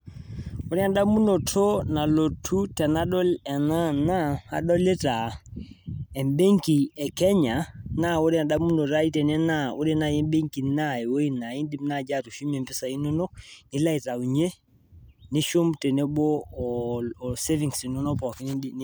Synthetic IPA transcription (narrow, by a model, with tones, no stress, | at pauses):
o˦ɾi˦a˨nɗa˦mu˦no˨tʰo˦na˨lo˨tʰu˦tɛ˨na˦ɗɔ˦lɛ˨na˦na˦a̰˨ɗɔ˦le˦ta˨ | ɛ˨mbe˦ŋki˨ɛ˨kɛ˦ɲa˨na˦wo˦ɾɛ˦a˨ɗa˦mu˦no˨ta˦i˦tɛ˨nɛ˦na˦˨o˦ɾɛ˦na˨jɛ˦mbe˦ŋki˨na˦˨ɛ˨wo˦i˦na˨i˦ndi˦mna˦˨d͡ʒa˦˨to˨ʃu˦mɛ˨mpɪ˦sa˨i˦nɔ˦nɔ˦ni˦la˦i˨ta˨u˨ɲe˦ | ni˦ʃo˦mte˨ne˦ɓɔ˦˨ | se˦vi˨ŋsi˨no˦nɔ˦pɔ˨ki˦n˦i˦